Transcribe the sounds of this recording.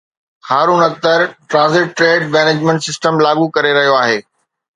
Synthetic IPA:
xaːɾuːnɐk̚t̪əɾʈɾãːzɪʈːɾeːɖmɛːneːd͡ʑmẽɳʈsɪsʈəmlaːɠukɐɾeɾɐɦijoaːɦeː

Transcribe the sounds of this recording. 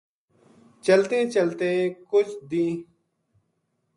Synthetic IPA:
t͡ʃəlt̪ẽːt͡ʃəlt̪ẽːkʊt͡ʃʰd̪ĩː

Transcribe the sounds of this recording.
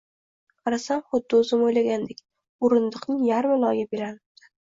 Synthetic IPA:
qʰɑɾasamχʊd̪ːɪʊzɪmojlaɡʲand̪ekʲ | ʊɾɪnd̪ɨqnɪŋjaɾmɪlˠɒjabeɾanɪb̚d̪̥ɪ̥

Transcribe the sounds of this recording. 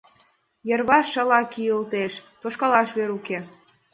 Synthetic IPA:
jərβɑʃːɑlɑkijəlt̪eʃt̪oʃkɑlɑʃβeɾuke

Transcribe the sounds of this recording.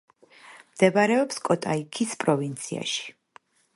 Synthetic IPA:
md̪̥ɛbaɾɛɔpskʼɔt̪ʼaikʰispʼɾɔvint̪sʰia̰ʃi̥

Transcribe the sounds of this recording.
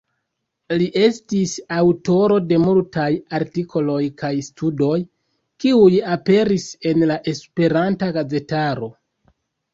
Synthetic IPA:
liʔe̞stisawto̞ɾo̞de̞multajaɾtikʰo̞lo̞jkajstʰudo̞j | kiujape̞ɾise̞nlaʔe̞spe̞ɾantaɡaze̞taɾo̞

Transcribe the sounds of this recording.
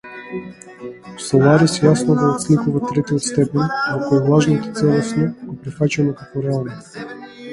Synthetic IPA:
salˠaɾisvjasnovoːt̪slikuvat̪ːɾɛt̪iot̪st̪ɛpɛnʲakoɛlˠaʒnot̪o̥t̪sɛlˠosnɛɡopɾɛfat͡ʃanokakɔɾɛalˠno

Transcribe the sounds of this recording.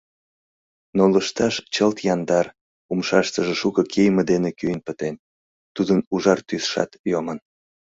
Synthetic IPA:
noləʃt̪ɑʃt͡ɕəlt̪jɑnd̪ɑr | umʃɑʃt̪əʒəʃukəkʰejməd̪enekyjənpət̪en | t̪ud̪ənuʒɑrt̪ysʃɑ̰t̪jomən

